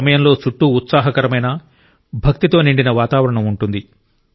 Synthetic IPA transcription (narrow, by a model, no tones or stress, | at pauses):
ɐmɐjɐmlo̞ːt͡ʃuʈːuːt̪saːɦɐkɐɾɐmɐjnɐ | bʱɐk̚t̪it̪o̞ːniɳɖinɐʋaːt̪aːʋɐɾɐɳɐmuɳʈund̪i